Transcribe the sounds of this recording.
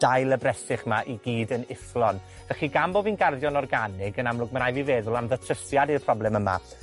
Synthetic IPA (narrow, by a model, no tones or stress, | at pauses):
d̥ajlˠəbrɛsɪχmaʔiɡiːdənɪθlˠɔn | vɛχiɡamboːbinɡarðjɔnɔrɡanɪɡənamlˠʊɡməɾajvivɛːðʊlˠamðətʰəsjadirpʰr̥ɔblˠɛməma̰